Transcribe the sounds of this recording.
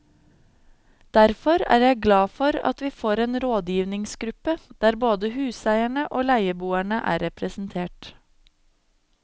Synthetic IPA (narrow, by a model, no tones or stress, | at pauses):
d̪̥æɾfɔɾæ̰ːɾjæɪɡlɑːfɔɾɑ̰t̪ʋiːfoːɾeːnɾoːd̪jiːʋnɪŋsɡɾʉpəd̪̥æːɾboːd̪əhʉːsæɪæɳəʔoːlæɪəbuːæɳəʔæ̰ːɾɛpʰɾəsn̩t̪ʰeːʈ